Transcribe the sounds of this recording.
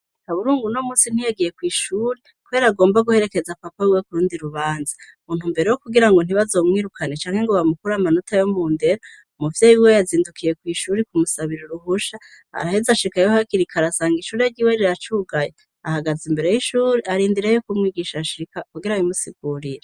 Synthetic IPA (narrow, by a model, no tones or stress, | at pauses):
haβuɾuːŋɡuno̞muːsin̥ijaɡije̞kwiːʃuːɾe | kuβe̞ɾaɡo̞ːmbaɡuhe̞ɾe̞ke̞zapapawiwekuɾuːndiɾuβaːnza | muːnhumbe̞ɾejokuɡiɾaŋɡo̞n̥iβazo̞ːmŋiːɾukʰane̞t͡ʃaːŋ̥he̞ŋɡoβamukuɾamanutʰajomuːnde̞ɾo | muvjeːjiwe̞jaziːndukʰije̞kwiːʃuːɾikumusaβiɾoɾuɦuʃa | ha̰ɾahezaʃikajohakiɾikʰaɾasaːŋɡiʃuːɾiaɾɟiwe̞ɾiɾat͡ʃuːɡaje | ahaɡazimbe̞ɾe̞jiʃuːɾiaɾiːndiɾejokumŋiːɡiʃaʃikakuɡiɾawimusiɡuːɾiɾe